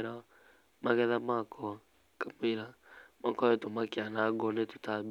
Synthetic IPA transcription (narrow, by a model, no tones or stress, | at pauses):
ɾa | maɣɛðamakʰɔ | kameɾamakɔɛtomakeanaɡɔnetu̥tab